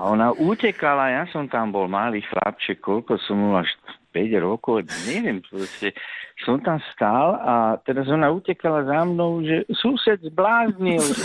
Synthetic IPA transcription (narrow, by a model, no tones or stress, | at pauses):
aɔnaʔucɛkalajasɔmt̪ambɔlmaliːxla̰p̚t͡ʃɛkkːɔlkɔsɔmuaʃpɛɟɾɔkɔʊɲɛʋɪɛmpɾɔscɛsɔmt̪amst̪alat̪ɛɾazɔnaucɛkalazamnɔʊʒɛsusɛd̪zblaːzɲil